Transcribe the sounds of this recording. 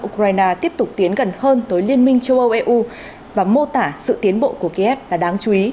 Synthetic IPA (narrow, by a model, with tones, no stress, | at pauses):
ʔu˧kwaː˧jnaː˧t̪i˦˥əp̚t̪ʊ˨˩k͡p̚t̪i˨˦ənɣə˨˩nhəː˧nt̪əː˨˦jli˧ənmï˧ŋ̟t͡ɕə˧wʔə˧wʔɛ˧ʔu˧ | vaː˨˩mo˧t̪aː˧˩sɨ̰˧˨t̪i˨˦ənɓo̰˧˨ku˧˩əki˧ʔɛ˦˥p̚laː˨˧˩ɗaː˨˦ŋt͡ɕu˨˦ʔi˨˦